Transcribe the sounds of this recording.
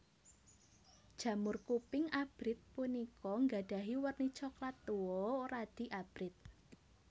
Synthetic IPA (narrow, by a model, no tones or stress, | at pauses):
d̥ʒ̥ä̤mʊrkupɪŋab̥ɾɪt̪̚punikɔŋɡa̤ɖ̥a̤ɦiwərnit͡ʃɔklat̪ːuwɔrad̪̥i̤ʔab̥ɾɪt̪̚